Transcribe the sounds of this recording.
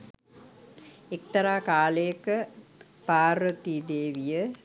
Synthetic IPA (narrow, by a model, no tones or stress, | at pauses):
ek̚t̪ɐɾaːkaːləjəkə | paːɾʋət̪id̪eːʋijə